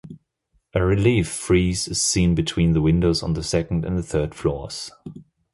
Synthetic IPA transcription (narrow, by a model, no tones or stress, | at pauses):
ʔɨɹɪlifɹiːzɨz̥sĩːnbɨtʰw̥ĩnðəwɪ̃ndoʊzn̩ðəsɛkn̩dɨ̰̃nðɨθɜ˞d̥flɔɹz̥